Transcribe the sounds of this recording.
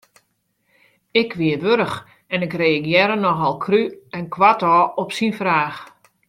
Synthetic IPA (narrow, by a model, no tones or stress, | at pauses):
ɪkʰʋiəʋøɾəx | ɛnɪkreːəkjɛɾənɔxɔlˠkʰryɛnkʋatɔːɔpsinfraːx